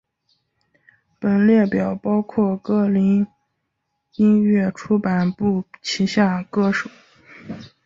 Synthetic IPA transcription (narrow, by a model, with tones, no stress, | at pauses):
pə˨˩nljɛ˥˩pjɑ˨˩ʊpɑ˥ʊkʰwɔ˥˩kɤ˥˩li˧˥n | i˥nɥɛ˥˩ʈ͡ʂʰu˥pa˨˩npu˥˩t͡ɕʰi˧˥ɕja˥˩kɤ˥ʂu˨˩˦